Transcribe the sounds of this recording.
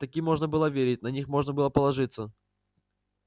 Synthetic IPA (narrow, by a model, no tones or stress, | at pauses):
t̪ɐkʲimːo̞ʐnəbɨlˠəvʲeɾʲɪt̚ʲnɐnʲixmo̞ʐnəbɨlˠəpəlˠɐʐɨt̪sə